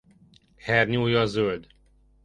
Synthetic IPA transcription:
hɛrɲuːjɒːzøld̪

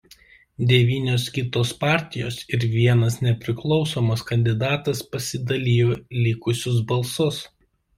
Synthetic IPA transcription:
d̪ʲɛʋʲiːnʲoːskʲɪt̪oːspɑːˑɾʲt̪ʲɪjo̰ːsɪɾʋʲiɛnɐsnʲɛpʲɾʲɪklˠɒʊsoːmoːskɐnʲd̪ʲɪd̪ɑːt̪ɐspɐsʲɪd̪ɐlʲiːjoːlʲɪkʊsʲʊs̬bɐlˠsʊs

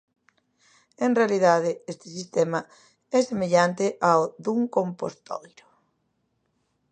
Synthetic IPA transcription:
enrealið̞að̞ɪest̪ɪ̥sist̪ɛmɐ | ɛsemeʎant̪ɪʔawðuŋkompost̪ɔ̰jɾo

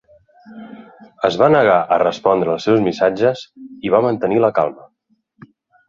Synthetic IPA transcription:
əzβanəɣ̞aʔərəspɔnd̪ɾəːlˠsɛwzmisad͡ʒəziβ̞amənt̪əniləka̰lˠmə

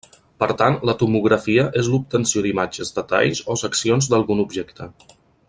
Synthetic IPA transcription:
pəɾt̪anlət̪umuɣɾəfiəʔezlup̚t̪ənsiod̪imad͡ʒəzd̪ət̪a̰ʎzosəksionzd̪əlˠɣunubʒɛkt̪ə

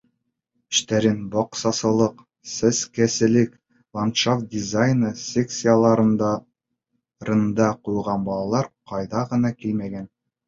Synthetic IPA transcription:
ɵ̆ʃt̪æɾɘnbɒqsɑsɤ̆lˠɤq | sɘskæsɘ̆lɘk | vˠant̪ʃaft̪̚d̪ʲizajnɤsʲeksʲijalˠɑɾɤnd̪ɑ | ɾɤ̆nd̪ɑqujʁɑnbɑlˠɑlˠɑɾqɑjðɑʁɤ̆nɑkilmæɡæn

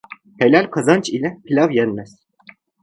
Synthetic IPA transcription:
helʲalʲkʰazant͡ʃʰilʲɛpʰilʲavjɛnmɛz̥

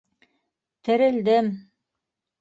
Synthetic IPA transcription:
t̪ɘ̆ɾɘ̆ld̪ɘm

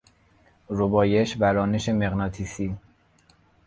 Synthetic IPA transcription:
ɾobɒːjeʃvæɾɒːneʃe̞meɣnɒːt̪ʰiːsiː

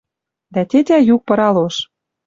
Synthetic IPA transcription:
d̪æt̪ʲetʲæjuk̚pɤ̆ɾɑloʃ

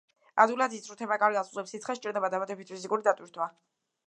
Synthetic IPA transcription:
ad̪ulad̪ist̪sʼɾut̪ʰɛbakʼaɾialˠsʼuʁɛpsit̪sʰχɛsʃt͡ʃʼiɾd̪ɛbad̪amad̪ɛbit̪̚pʰizikʼuɾid̪at̪ʼwiɾt̪ʰwa

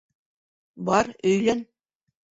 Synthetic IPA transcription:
bɑɾɵ̆jlæn

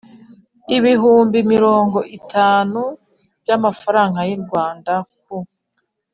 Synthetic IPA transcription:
iβiɦuːmbimiɾo̞ːŋɡo̞ʔitʰaːnu | bɟamafaɾaːŋɡajiɾɡwaːndak̚u

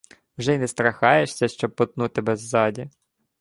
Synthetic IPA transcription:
wʒɛinɛst̪ɾɐxɑjeʃsʲɐʃt͡ʃɔb̚pːɔt̪̚nut̪ɪbɛzːɑdʲi

